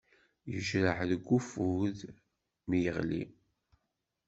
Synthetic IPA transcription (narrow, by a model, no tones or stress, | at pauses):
jəʒɾəħðəɡʷːufuð | mijəʁlḭ